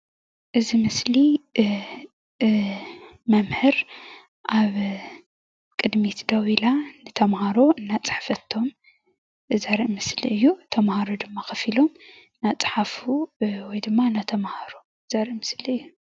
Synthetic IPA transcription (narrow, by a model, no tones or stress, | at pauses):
ʔɨzimɨsli | mɐmhɨɾ | ʔaβ | kʼɨd̪mit̪ʰd̪ɐwilanɨt̪ʰɐmhaɾo̞ɨnːat͡sʼɨ̥ħfɐt̪ʰːo̞m | ʔɨzaɾiʔmɨsliɨjːut̪ʰɐmhaɾod̪ɨmːaxɐfilo̞m | nat͡sʼɨ̥ħafuwɔjd̪ɨmːanat̪ʰɐmhaɾo | ɨzaɾiʔmɨsliɨjːu